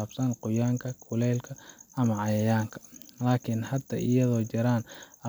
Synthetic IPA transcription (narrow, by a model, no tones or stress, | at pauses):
aːbsɐnqʊjaːŋkʰɐkʰʊlɛːlkʰɐɐmɐʕɑjɐjaːŋkʰɐ̥laːkʰɪnhɐd̪ɐʔɪjɐðɔːt͡ʃɐɾaːnɐ